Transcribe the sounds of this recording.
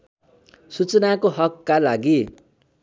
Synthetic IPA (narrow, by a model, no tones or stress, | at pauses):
sut͡sʌnakoɦʌkːalaɡi